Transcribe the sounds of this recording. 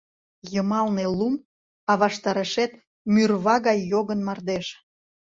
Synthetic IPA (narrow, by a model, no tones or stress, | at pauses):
jəmɑlnelum | ɑβɑʃt̪ɑɾəʃet̪ | myrβɑɣɑjːoɣənmɑrd̪eʃ